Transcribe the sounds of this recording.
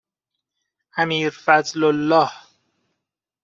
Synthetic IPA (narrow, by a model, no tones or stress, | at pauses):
ʔæmiːɾfæzlolːɒːh